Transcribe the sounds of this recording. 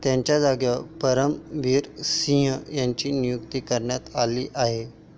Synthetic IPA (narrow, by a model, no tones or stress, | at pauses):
t̪jãɲt͡ɕjad͡zaɡjapəɾəmʋiːɾsĩɦjãɲt͡ɕiːnijukt̪iːkəɾɳjat̪aliːʔaɦe